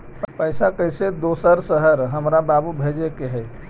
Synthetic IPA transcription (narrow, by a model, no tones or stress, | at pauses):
pəjsakəjsed̪osəɾsəɦəɾɦəmɾababubʱed͡ʒekeɦəj